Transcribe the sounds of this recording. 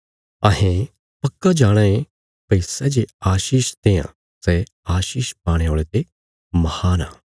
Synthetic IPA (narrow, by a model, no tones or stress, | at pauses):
ɐɦẽ | pɐkːad͡ʒaːɽ̃ãe | pɐisɛd͡ʒeaːʃiːʃt̪eːã̰ | sɛ | aːʃiːʃpaːɽ̃eoːɭet̪e | mɐhaːna̰ː